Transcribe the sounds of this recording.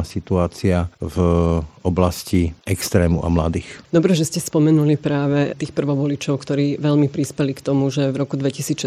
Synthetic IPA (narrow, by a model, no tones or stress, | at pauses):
asit̪uaːt͡siavɔblasciɛkst̪ɾɛːmṵʔa̰mlad̪iːxd̪ɔbɾɛʒɛscɛspɔmɛnulipɾaːʋɛt̪iːxpr̩ʋɔʋɔlit͡ʃɔʊkt̪ɔɾiːʋɛlmipɾispɛlikt̪ɔmuʒɛvɾɔkud̪ʋɛcisiːt͡sʃ